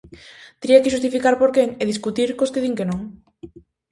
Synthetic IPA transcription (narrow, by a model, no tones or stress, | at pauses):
t̪ɾiɐkɪʃ̬ust̪ifikaɾpoɾkeŋeðiskut̪iɾkoskeð̞iŋkenõŋ